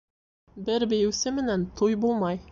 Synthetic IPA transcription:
bɘɾbɘ̆jɘ̆wsɘmɘ̆nænt̪ʰujbulˠmɑj

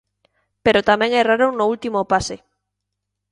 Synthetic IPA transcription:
peɾot̪amɛ̃ŋɛraɾonʊult̪imopase

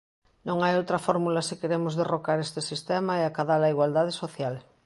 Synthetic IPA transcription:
nõŋajowt̪ɾafoɾmulasikeɾemozðerokaɾest̪esist̪emaeakaðalaiɣwald̪að̞esoθjal

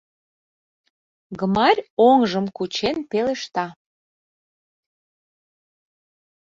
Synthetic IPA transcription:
ɡəmɑɾʲoŋʒəmkut͡ɕenpeleʃt̪ɑ

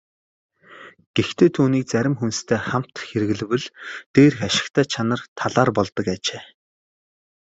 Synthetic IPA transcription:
ɡ̥ext̪ʰeːt̪ʰuːniːk̚t͡sæɾʲɪ̆mxunst̪ʰeːχam̥t̪xeɾɘ̆ɣɘ̆ɮ̆wɘ̆ɮt̪eːrxaʃɪ̥̆kt̪ʰæːt͡ɕʰanə̆rt̪ʰaɮaːrpɔɮt̪ɞ̆kaːt͡ɕeː

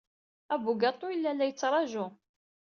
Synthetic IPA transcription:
æbuɡɑt̪ˤːʊjilːælːæjət͡sːɾˤɑʒʊ

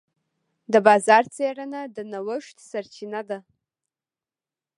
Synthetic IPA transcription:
dabazart͡sʰajaranadnawəʃtʰʼsart͡ʃʰinada

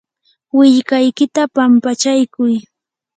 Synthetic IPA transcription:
wɪʎkajkɪt̪apampat͡ʃajkʊj

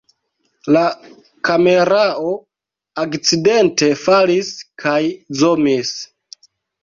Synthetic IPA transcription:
la | kame̞ɾao̞ | akt͡side̞nte̞faliskʰajzo̞mis

